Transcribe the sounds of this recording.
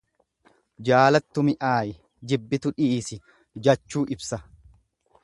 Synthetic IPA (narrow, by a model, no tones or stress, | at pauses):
d͡ʒaːlɐt̪ːʊmɪʔaːjɛ | d͡ʒɪbːɪt̪ʊᶑɪːsɪ | d͡ʒɐt͡ʃːuːʔɪbsɐ